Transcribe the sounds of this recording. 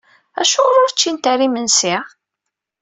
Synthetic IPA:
æ̰ʃʊɾʊɾt͡ʃːint̪arimənsi

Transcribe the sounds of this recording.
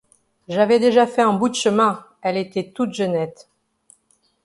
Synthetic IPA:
ʒavɛd̪eʒafɛɛ̃bud̪əʃəmɛ̃ | ɛlet̪ɛt̪ut̪ʒənɛt̪

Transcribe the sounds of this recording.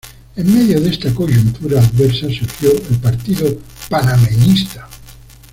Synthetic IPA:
emːeðjoðest̪akoʒunt̪uɾaːðβeɾsasuɾxjoʔelpaɾt̪iðopanamenist̪ḁ

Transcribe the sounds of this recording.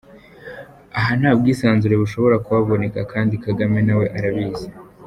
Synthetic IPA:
aɦan̥haːb̚ɡiːsaːnzuɾe̞βuʃo̞βo̞ɾakuβaβo̞ne̞kakʰaːndikaɡame̞nawe̞ʔaɾaβiːze

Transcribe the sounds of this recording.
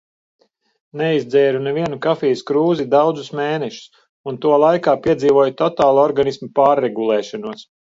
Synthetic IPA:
neizd̪zɛːɾunɛviɛnukafiːjuskɾuːzid̪awd̪zusmeːnɛʃu̥s | unt̪uɔlˠajkaːpiɛd̪ziːvuɔjut̪ɔt̪aːlˠɔɾɡanismipaːɾːeɡulˠɛːʃɔnuɔs

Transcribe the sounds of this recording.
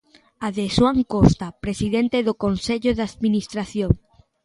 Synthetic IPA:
aðeswaŋkost̪apɾesiðent̪eðokonseʎoðaðminist̪ɾaθjoŋ

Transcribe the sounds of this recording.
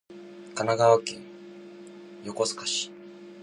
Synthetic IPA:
kanaɡaβakḛ̃ŋ | jokosɨ̥kḁɕi̥

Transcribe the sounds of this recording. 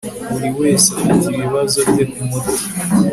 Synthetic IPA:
βuɾiwe̞ːsiiβiβazo̞bjebɡimodoka

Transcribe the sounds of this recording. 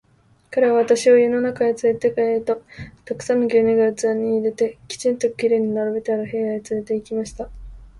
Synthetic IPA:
kaɾe̞βaβat̪aɕiojɯno̞nakaɡet͡sɨɾet̪e̞kaeɾɯt̪ot̪akɯ̟̥sanːoɡʲeɲiɡaɯ̟t͡sɨaɲ̟ːiːɾe̞t̪e̞kʲi̥t͡ɕĩnt̪o̥kʲiɾe̞ːɲ̟inaɾabet̪aɾahe̞aet͡sɨɾe̞t̪e̞ikʲimaɕi̥t̪a

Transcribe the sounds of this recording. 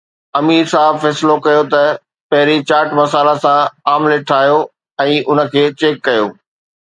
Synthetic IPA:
ɐmiːɾsaːɦɪbfɛːsɪlokɐjot̪ɐ | pɐɦɪɾit͡ɕaːɾʈmɐsaːlasãaːmlɪʈʰaːɦijo | ɛ̃ːʔʊnə̆kʰeːt͡ɕeːkːɐjo̰ː

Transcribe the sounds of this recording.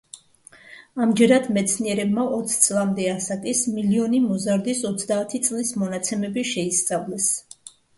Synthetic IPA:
amd͡ʒɛɾad̪mɛt̪sʰniɛɾɛbmaʔɔt̪sʰt̪sʼlˠamd̪ɛasakʼismiliɔnimɔzaɾd̪isɔt̪sʰd̪aːt̪ʰit̪sʼlismɔnat̪sʰɛmɛbiʃɛist̪sʼavlɛs

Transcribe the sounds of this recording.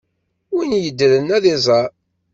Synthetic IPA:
winjəd̪ːɾənːæðɪzˤɑ

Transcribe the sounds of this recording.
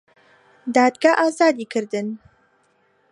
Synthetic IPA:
d̪aːd̪ɡaʔaːzaːd̪iːkʰɨɾd̪ɨn

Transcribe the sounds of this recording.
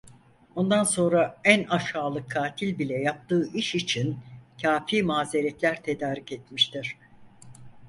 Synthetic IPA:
o̞nd̪anso̞nɾaænaʃaːlˠɯkʰːaːt̪ʰilʲbilʲɛjap̚t̪ɯːʔiʃit͡ʃʰincʰaːfiːmaːze̞ɾɛt̪lʲæɾt̪ʰe̞d̪aːɾiceɛt̪miʃt̪ʰiɾ̥

